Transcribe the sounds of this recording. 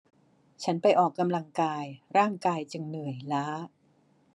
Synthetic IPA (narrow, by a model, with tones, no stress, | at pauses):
t͡ɕʰa˦˥npa˧jʔɔː˨˩kːa˧mla˧ŋkaː˧jɾaː˥˩ŋkaː˧jt͡ɕɯ˧ŋnɯ˨˩əjlaː˦˥